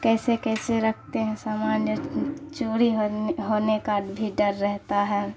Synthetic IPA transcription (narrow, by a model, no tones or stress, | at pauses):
kɛːsekɛːseɾɐkʰt̪eɦɛ̃saːmaːnjət͡ʃoːɽiɦɦoːnekabʱiɖəɾːɛɦt̪aɦɛː